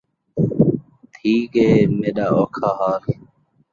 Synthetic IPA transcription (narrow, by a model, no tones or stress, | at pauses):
t̪ʰiːkɦeːmeːɗaːoːkʰaːɦaːl